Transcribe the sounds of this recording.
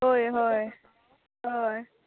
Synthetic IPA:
ɦojɦɔj | ɦɔj

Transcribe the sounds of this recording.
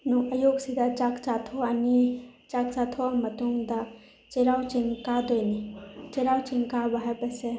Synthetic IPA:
nuʔɐjoːɡsid̪at͡ʃakt͡ʃat̪ʰoanit͡ʃak̚t͡ʃat̪ʰoamɐt̪umd̪a | t͡ʃeɾawt͡ʃiŋkad̪ojnit͡ʃeɾawt͡ʃiŋkabaɦɐpɐse

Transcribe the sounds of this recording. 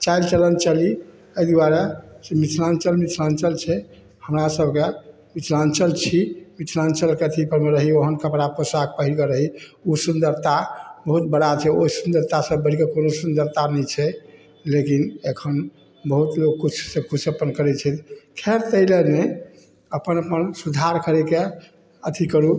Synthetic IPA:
t͡ʃajlt͡ʃələnt͡ʃəli | əid̪uaɾasemit͡ʃʰlant͡ʃəlmit͡ʃʰlant͡ʃəlt͡ʃʰɛ | həmɾasəbke | mit͡ʃʰlant͡ʃəlt͡ʃʰimit͡ʃʰlant͡ʃəlket̪ʰipəɾmeɾəɦioɦənkəpɾaposak̚pəɦilkeɾəɦiusund̪əɾt̪abəɦut̪̚bəɽat͡ʃʰɛoɦisund̪əɾt̪asəbːəɽ̤ikekonosund̪əɾt̪anɛt͡ʃʰɛ | lekinekʰən | bəɦut̪lokːut͡ʃʰsẽkut͡ʃʰəpənkəɾɛt͡ʃʰɛt̪kʰeɾt̪əɪlene | əpənəpənsud̪ʱaɾkəɾɛke | ət̪ʰikəɾu

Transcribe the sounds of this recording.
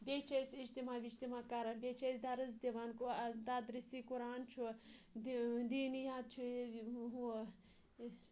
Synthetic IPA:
bʲeːt͡ʃʰesid͡ʒt̪imaːbid͡ʒt̪imaːkaːɾanbʲeːt͡ʃʰesd̪aɾɐzd̪eʋaːnkod̪ad̪ɾisikuɾaːnt͡ʃʰu | d̪iːnjaːd̪̚t͡ʃʰuɦu

